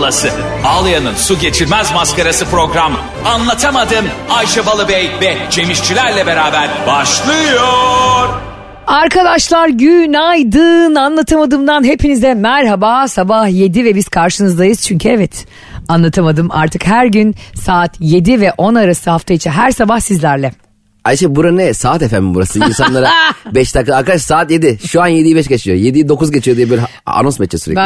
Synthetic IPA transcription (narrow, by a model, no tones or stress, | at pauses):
lˠasɯ | aːlˠɯjanɯnsuɟe̞t͡ʃʰiɾmæzmaskaɾasɯpɾo̞ɡɾam | anlˠat̪ʰamad̪ɯmajʃabalˠɯbɛjvɛt͡ʃʰe̞miʃt͡ʃʰilʲæɾlʲɛbe̞ɾaːbæɾbaʃlˠɯjoɾ̥ | aɾkʰad̪aʃlˠaɾɟynajd̪ɯnanlˠat̪ʰɯmad̪ɯmd̪anɦe̞pʰinizd̪ɛmæɾɦabaːsabahje̞d̪ivɛbiz̥kʰaɾʃɯnɯzd̪ajɯz̥t͡ʃʰyɲcʰyɛvɛt̪ | anlˠat̪ʰamad̪ɯma̰ɾt̪ʰɯkhæɾɟynsaːt̪ʰje̞d̪ivɛʔo̞naɾasɯhaft̪ʰajit͡ʃʰɛɦæɾsabahsizlʲæɾlʲɛ | at͡ʃɛbuɾaɛsaːt̪efæmibuɾasɯinsanˠaɾabɛʃt̪ʰakːaːɾkad̪aʃsaːt̪jed̪iʃuanjed̪ijibɛʃɡat͡ʃʰijo̰jed̪ijid̪o̞kuzɟet͡ʃʰijod̪ijɛbøl | a̰no̞nsmɛt͡ʃːɛsyɾɛ̰